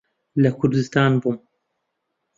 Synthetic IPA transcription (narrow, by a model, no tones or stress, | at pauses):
lɐkʰʊɾd̪ɨst̪aːnbum